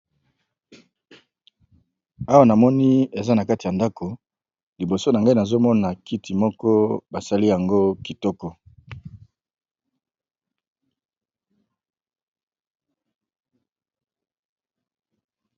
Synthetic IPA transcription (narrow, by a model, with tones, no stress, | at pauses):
a˦wa˦na˨mɔ˦ni˦e˨za˦na˨ka˦ti˨ja˨nda˦ko˨ | li˨bo˨so˦na˨ŋɡa˦i˦na˨zo˦mɔ˦na˨ki˦ti˨mɔ˦kɔ˦ba˨sa˦li˦ja˨ŋɡo˦ki˨tɔ˦kɔ˦